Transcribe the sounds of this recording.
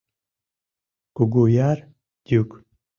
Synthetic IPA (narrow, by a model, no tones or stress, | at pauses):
kuɡujaɾ | d̪uk